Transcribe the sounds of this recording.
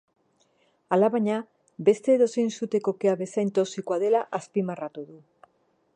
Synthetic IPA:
alaβaɲa | best̪eðosensut̪ekokeaβesajnt̪osikwaðelaʔaspimarat̪oðu

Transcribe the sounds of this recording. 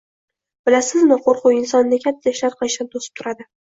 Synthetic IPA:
b̥ɪlasɪzmɪqʰoɾqʰʊwɪnsɒnːɪkʲʰat̪ʰːaaɪʃlaɾqʰɨlˠɪʃt̪ant̪ʰosɪ̥p̚t̪ʰʊɾad̪ɪ

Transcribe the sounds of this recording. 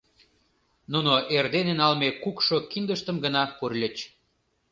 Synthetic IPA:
nunoʔerd̪enenɑlmekukʃokind̪əʃt̪əmɡənɑpurlʲət͡ɕ

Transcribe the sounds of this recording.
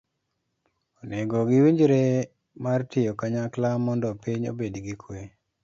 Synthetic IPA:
oneɡɔɡɪwiɲd͡ʒɾe | martɪjokaɲaklamɔndɔpiɲo̰bedɡikʰwe

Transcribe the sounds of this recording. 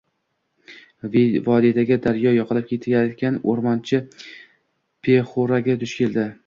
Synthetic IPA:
vvɒd̪it̪ʰaɡʲad̪aɾjɒjɒqɨlɪp̚kʲʰe̞t̪ʰajat̪kʲanoɾmɒnt͡ʃʰɪ | pʰeχoɾaɡʲad̪ʰʊʃkʲʰe̞ld̪ɪ

